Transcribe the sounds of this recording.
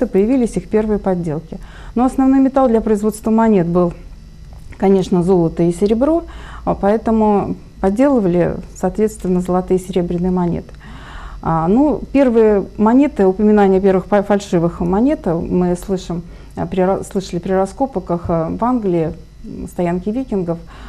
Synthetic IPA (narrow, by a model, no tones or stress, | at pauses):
ɨpəjɪvʲilʲɪsʲixpʲe̞rvɨjəpɐdʲːe̞lˠkʲɪ | noɐsnɐvno̞jmʲɪt̪alˠd̪lʲɐpɾəɪzvo̞t̪st̪vəmɐnʲe̞t̪̚bɨlˠ | kɐnʲe̞ʂnəzo̞lˠət̪ɨjɪsʲɪɾʲɪbɾo̞pɐɛt̪əmʊ | pɐdʲːe̞lˠəvəlʲɪ̰sɐːt̪vʲet̪st̪vʲɪnːəzəlˠɐt̪ɨjəsʲɪɾʲe̞bɾʲɪnːɨjəmɐnʲḛt̪ɨ̥ | anupʲe̞rvɨjəmɐnʲe̞t̪ɨʊpəmʲɪnanʲɪjəp̬ʲe̞rvɨxfɐlʲʂɨvɨxmɐnʲet̪mɨslˠɨʂɨm | pɾʲɪslˠɨʂəlʲɪpɾʲɪrɐsko̞pəkəxvanɡlʲɪɪ | st̪ɐjankʲɪvʲikʲɪnɡəf